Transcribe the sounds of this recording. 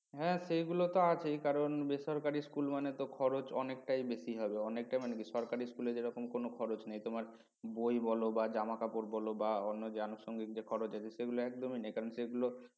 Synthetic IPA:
ɦɛ̃ʃeɡulot̪oat͡ɕʰejkaɾonbeʃɔɾkaɾiskulmanet̪okʰɔɾot͡ɕɔnek̚ʈajbesiɦɔbeɔnek̚ʈajmanekiʃɔɾkaɾiskuleɾd͡ʑeɾɔkomkonokʰɔɾot͡ɕnajt̪omaɾ | bojbɔlobad͡ʑamakapoɾbɔlobaɔnːod͡ʑeanoʃoŋɡik̚d͡ʑekʰɔɾot͡ɕat̪ʰeʃeɡuloɛkd̪ominajkaɾonseɡulo

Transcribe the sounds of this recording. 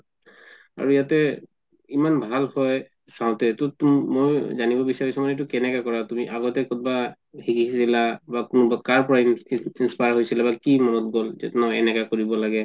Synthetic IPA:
a̰ɹujatɛ | imanbʱalhɔj | saʊ̃tɛtɔtmojzanibɔbisaɹisɔmɔnet̬ukɛnɛkakɔɹatumiʔaɡɔtɛkɔt̚ba | hikisilabakunʊbakaɹpɔɹainspajɹɦojsilabakimɔnɔt̚ɡɔlzɛ̰tnɔɛnɛkakoɹibɔlaɡɛ

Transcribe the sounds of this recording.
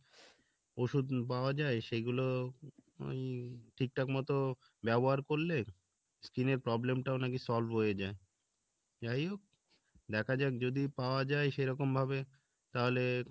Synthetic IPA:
oʃud̪paoad͡ʑaeʃeɡulo | o̰jʈʰik̚ʈakmɔt̪o | bɛboɦaɾkoɾle | skineɾpɾɔblemʈaonak̬isɔlbɦojed͡ʑae | d͡ʑajok̚ | d̪ɛkʰad͡ʑaekd͡ʑod̪ipaoad͡ʑaeʃeɾɔkombʱabe | t̪aɦole

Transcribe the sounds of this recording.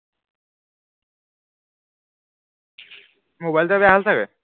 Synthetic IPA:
mobajlt̪ɔbaɦalt̪ʰake

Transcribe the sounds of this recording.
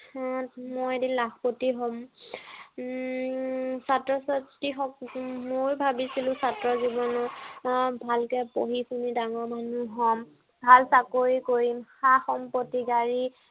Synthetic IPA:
mojedinlaxpotiɦɔm | satɹɔsatiɦɔkmojbʱabisilʊ̃satɹɔzibɔnɔ | bʱalkɛpoɦisunidaŋɔɹmanuɦɔm | bʱalsakoɹikoɹimxaxɔmpɔtiɡaɹi

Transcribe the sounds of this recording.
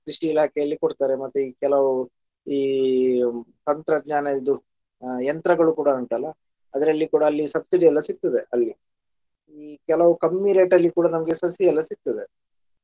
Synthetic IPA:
kɾiʂiːlaːkʰɛjɐlːikoɽt̪aːɾe̞mɐt̪ːuikɛlɐʋu | iː | t̪ɐnt̪ɾɐd̪ɲaːnɐid̪u | jɐnt̪ɾɐɡɐɭukuːɽɐuɳʈɐlːɐ | ɐd̪ɐɾɐlːikuːɽɐːlːisɐbsiɖiɛlːɐsik̚t̪ɐd̪e̞ʔɐlːi | iːkɛlɐʋukɐmːiɾeːʈɐlːikuːɽanɐmɐɡe̞sɐsjiɛlːɐsik̚t̪ɐd̪e̞

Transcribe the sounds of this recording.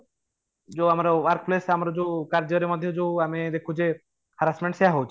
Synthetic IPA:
d͡ʒoamaɾʋaɾkplesamɾod͡ʒokaɾd͡ʑioɾemɔd̪ʱːed͡ʒowamid̪ekʰud͡ʑe | haɾasmẽɳʈseaɦowt͡ʃʰ

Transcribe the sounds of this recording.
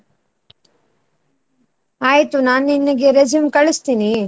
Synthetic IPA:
aːjit̪unaːninːɐɡeɾɐd͡ʒimkɐɭist̪iːni

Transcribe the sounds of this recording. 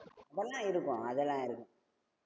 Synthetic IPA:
ɐðɐlːãːɪɾɯkːʊ̃ɐðɛlːãːɪɾɯkːʊ̃

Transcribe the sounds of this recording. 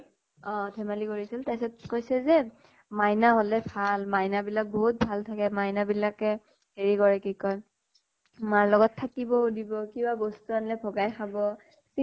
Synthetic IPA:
ɔ̃tʰɛmalikoɹisiltajsɔt̚kojsɛzɛ | majnaɦolɛbʱalmajnabilak̚boɦut̚bʱaltʰakɛmajnabilakɛ | heɹikɔɹɛkikɔj | maɹlɔɡɔtʰːakibɔudibɔkibabostuanlɛbʱɔɡajxabɔ | si

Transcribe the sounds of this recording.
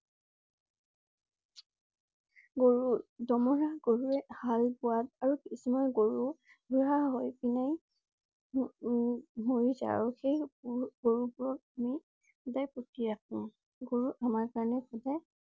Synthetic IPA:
ɡoɹudɔmɔɹaɡoɹuɛhalbʊwat̚aɹukisumɔjɡoɹu | buɹaɦojpinaj | moɹiza̰ɹuxejɡ̥oɹubʊɹɔk̚ami | xɔdajpotiɹakʰʊ̃ | ɡoɹuʔamaɹkaɹɔnɛxɔdaj

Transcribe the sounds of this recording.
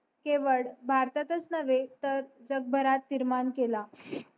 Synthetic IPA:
keʋəɭbʱaɾt̪at̪ət͡snəʋet̪əɾd͡zəɡ̚bʱəɾat̪ːiɾmankela

